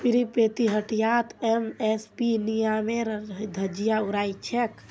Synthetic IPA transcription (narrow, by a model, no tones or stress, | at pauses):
piɾipet̪iɦəʈijat̪ɛmɛspinijameɾd̪ʱəd͡ʒijaʊɾaːit͡ʃʰɛk